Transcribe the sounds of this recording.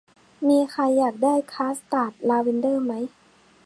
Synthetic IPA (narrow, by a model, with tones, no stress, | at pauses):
miː˧xʰa˧jːaː˨˩k̚daː˥˩jkʰaː˦˥st̪aː˧˩t̪̚laː˧wi˧ndɤː˥˩˨ma˦˥j